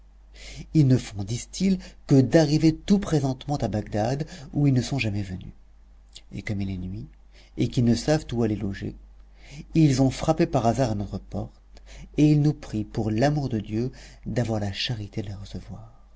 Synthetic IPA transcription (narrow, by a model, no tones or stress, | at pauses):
ilnəfɔ̃d̪ist̪ilkəd̪aʁivet̪upχezɑ̃t̪mɑ̃t̪abaɡ̚d̪ad̪uilnəsɔ̃ʒamɛvəny̰ | ḛkɔmilɛnɥi | ekinəsavt̪ualɛloʒḛ | ilzɔ̃fχapepaʁazaʁanɔt̪χəpɔʁt̪eilnupχipuʁlamuʁd̪əd̪jød̪avwaʁlaʃaʁit̪ed̪əlaʁəsəvwaːʁ